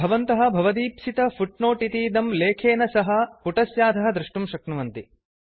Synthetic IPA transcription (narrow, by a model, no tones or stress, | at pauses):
bʱɐʋɐnt̪ɐɦɐ̆bʱɐʋɐd̪iːpsit̪ɐfuʈnoːʈit̪iːd̪ɐmleːkʰeːnɐsɐɦɐ̆puʈɐsjaːd̪ʱɐɦɐ̆d̪ɾuʂʈumʃɐknɐʋɐnt̪i